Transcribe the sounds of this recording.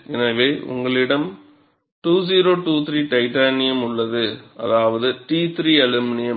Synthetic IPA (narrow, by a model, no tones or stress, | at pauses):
ʔɛnɐʋeːʔʊ̰ŋɡɐɭɪɽɐm | ʈuːsiːɾoːʈuːt̪ɾiːʈɐɪʈaːnɪjɐmʊɭːɐðɯʔɐ̰ðaːʋɐðɯʈiːt̪ɾiɐlɯmɪnɪjɐ